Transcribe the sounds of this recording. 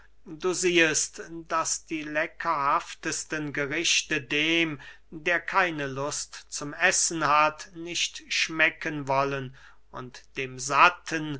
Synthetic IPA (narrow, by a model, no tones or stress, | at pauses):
duːziːəstd̥asd̥iːlɛkʰɐhaftəstənɡəʁɪʃtədeːm | deːɐkʰaɪnəlʊstt͡sʊmɛsn̩hatnɪʃtʃmɛkənvɔlən | ʊ̰ntd̥eːmzatʰən